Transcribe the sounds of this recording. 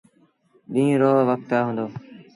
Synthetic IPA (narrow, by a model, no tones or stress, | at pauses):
ɗĩːɾoːʋək̚t̪̚pjaːɦõːnd̪oː